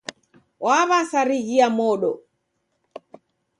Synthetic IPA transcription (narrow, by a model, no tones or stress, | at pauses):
waβasaɾiɣiamɔɗɔ